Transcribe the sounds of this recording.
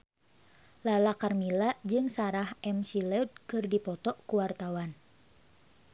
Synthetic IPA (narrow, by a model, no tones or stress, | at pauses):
lalakarmilaʔd͡ʒɨŋsaɾahʔɛmsilɛd̚kɨrdipɔt̪ɔkuwart̪awan